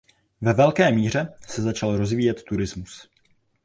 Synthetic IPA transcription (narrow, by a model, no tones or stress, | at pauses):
vɛvɛlkɛːmiːr̝ɛsɛzat͡ʃalɾo̞zviːjɛt̪ːuɾɪzmus